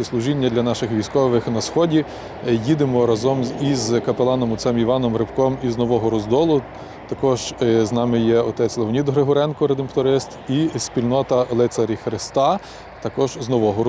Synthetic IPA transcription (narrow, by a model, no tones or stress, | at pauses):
slˠʊʒinʲːɐd̪lʲɐnɑʃɪxʋʲijsʲkɔʋɪxnɐsxɔdʲi | jid̪ɪmɔɾɐzɔmizkɐpelˠɑnɔmɔt̪sɛmiʋɑnɔmɾɪpkɔmiznɔʋɔɦɔɾɔzd̪ɔlˠʊ | t̪ɐkɔʒznɑmɪjɛɔt̪ɛt͡sʲlˠeʋɔnʲid̪ɦɾeɦɔɾɛnkɔɾed̪empt̪ɔɾɪst̪ispʲilʲnɔt̪ɐlˠɪt̪sɐɾʲixɾɪst̪ɑ | t̪ɐkɔʒznɔʋɔɦɔ